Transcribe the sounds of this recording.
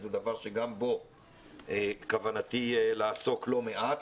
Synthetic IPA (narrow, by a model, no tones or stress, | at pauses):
zed̪avaʁʃe̞ɡambo̞ | ekavanat̪ilaːso̞klo̞me̞ʔat̪